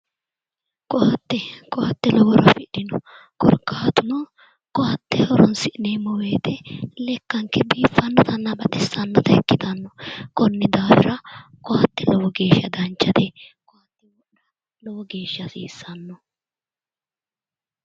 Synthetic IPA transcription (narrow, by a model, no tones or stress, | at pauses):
kɔhɐt̪ːɛkɔhɐt̪ːɛlɔwɔɾɐfɪɗɪnɔ | kɔ̰ɾkːaːt̪ʊnɔ | kɔɐt̪ːɛhɔɾɔnsɪʔɪnemɔwe̞ːt̪ɛlɛkːɐŋkːɛbiːfːɐnːɔt̪ɐnːɐbɐᶑɛsːɐnːɔt̪ɐɛkːɪt̪ɐnːɔkɔnːɪd̪aːwɪ̰ɾɐkɔhɐt̪ːɛlɔwɔɡe̞ːʃːɐd̪ɐnt͡ʃːɐd̪ɛkɔhɐt̪ːɪwɔʔɾɐ | lɔwɔɡe̞ːʃːɐsiːsːɐnːɔ